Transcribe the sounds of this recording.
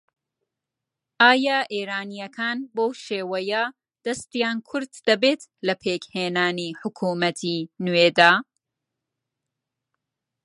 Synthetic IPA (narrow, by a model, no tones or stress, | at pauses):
ʔaːjaʔeːɾaːnijɐkʰaːnbowʃeːwɐjɐ | d̪̥ɐst̪ijaːnkʰʊɾd̪̥ːɐbeːt̪lɐpʰeːkheːnaːniħʊkʰuːmɐt̪ʰinuweːd̪aː